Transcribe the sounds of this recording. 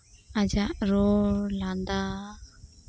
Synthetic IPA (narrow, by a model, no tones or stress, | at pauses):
ad͡ʒaʔɾɔland̪a